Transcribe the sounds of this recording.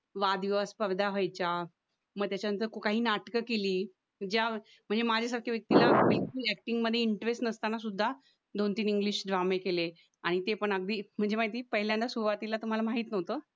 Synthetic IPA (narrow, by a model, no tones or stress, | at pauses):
ʋad̪iʋaspəʋd̪ʱaɦəjt͡ɕa | məɡt̪jat͡ɕjanənt̪̬əɾkokaɦiːnaʈkəkeliː | d͡ʑja | m̤əɳd͡zemad͡ʑʱasaɾkʰaʋjək̚t̪ilaʋekt̪iːækʈiŋɡməd̪ʱːjeiɳʈəɾesʈnəst̪anasud̪ʱːa | d̪ont̪iːniŋɡliːɕd̪ʱʋamekele | aɽ̃it̪epəɳəɡ̚d̪iːm̤əɳd͡zemaɦit̪iːpəɦiljãnt̪asuʋat̪ilat̪um̤alamaɦiːt̪nəʋt̪əː